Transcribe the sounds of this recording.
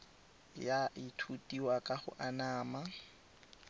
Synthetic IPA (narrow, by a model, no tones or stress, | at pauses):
jaʔɪtʰutʼiwakʼaχʊ̰ʔanaːma